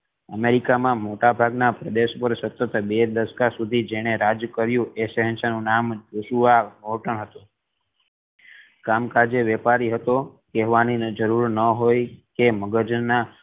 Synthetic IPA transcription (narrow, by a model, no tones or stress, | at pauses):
əmeɾikamãmoʈabʱaɡnapɾəd̪eʃpəɾsət̪ːət̪bed̪əskasud̪ʱid͡ʒeɽ̃eɾad͡ʒkəɾjũʔesəɦə̃nʃanũnamd͡ʒuʃuamoʈəɳɦət̪ũ | kamkad͡ʒeʋɛpaɾiɦət̪okeɦʋanid͡ʒəɾuɾnəɦojkeməɡəd͡ʒnːa